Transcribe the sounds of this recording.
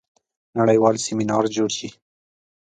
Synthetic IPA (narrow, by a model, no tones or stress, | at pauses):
naɽəjwɑlsɪminɑɾd͡ʒoɽʃi